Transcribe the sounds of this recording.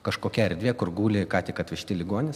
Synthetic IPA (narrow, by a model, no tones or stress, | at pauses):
kɐʃkoːkʲɛɐɾʲd̪ʲʋʲiɛkʊrɡuːlʲɪkɑːt̪ʲɪkɐtʲʋʲɪʃʲt̪ʲɪlʲɪɡoɔnʲɪs